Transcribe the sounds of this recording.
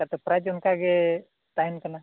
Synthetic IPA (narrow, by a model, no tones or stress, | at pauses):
at̪ɔpɾad͡ʒɔnkaɡɛ | t̪aɦinkana